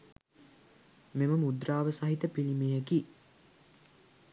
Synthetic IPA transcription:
meməmud̪ɾaːʋəsaɦit̪əpilimejeki

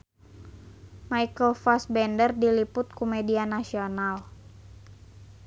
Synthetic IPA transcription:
maikəlfɔsbɛndərdilipʊt̪̚kumɛdianasional

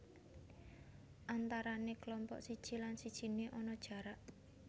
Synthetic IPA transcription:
ʔant̪aɾaneklɔmpɔ̰ʔsid̥ʒ̥i̤lansid̥ʒ̥i̤neʔɔnɔd̥ʒ̥a̤ɾaʔ

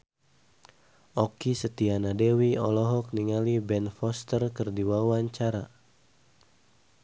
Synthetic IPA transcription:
ɔkisət̪ianadewiɔlɔɦɔk̚niŋalibɛnfɔst̪ərkərdiwawaɲt͡ʃaɾa

